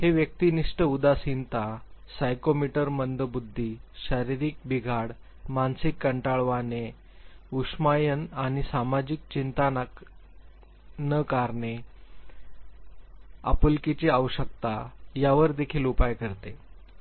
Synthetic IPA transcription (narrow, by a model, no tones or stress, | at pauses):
heʋjək̚t̪iniʂʈəud̪asint̪asajkomiʈəɾmənd̪əbud̪ʱːiɕəɾiɾik̚biɡʱaɽ | mansikːəɳʈaɭʋane | uʂmajənaɽ̃isamad͡ʑik̚t͡ɕint̪an | nəkaɾɳe | a̰pulkit͡ɕeaʋəɕək̚t̪ajaʋəɾd̪ekʰiːlupajkəɾt̪e